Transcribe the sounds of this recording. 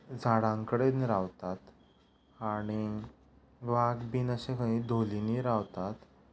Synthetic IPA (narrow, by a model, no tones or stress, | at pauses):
d͡zʱaɽãŋkəɽenɾaʋt̪at̪ | aɽ̃i | ʋaɡbiːnəɕẽkʰəɦĩd̪ʱoliniːɾaʋt̪at̪